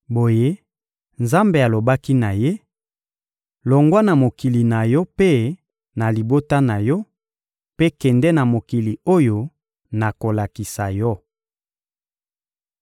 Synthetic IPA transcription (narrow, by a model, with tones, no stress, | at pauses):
bo˨je˦ | nza˦mbe˨a˨lo˨ba˦ki˦na˨je˦ | lo˨ŋɡwa˦na˨mo˨ki˨li˨na˨jɔ˦pe˦ | na˨li˨bo˦ta˦na˨jɔ˦ | pe˦kɛ˨ndɛ˦na˨mo˨ki˨li˨o˦jo˨ | na˨ko˨la˨ki˨sa˨jɔ˦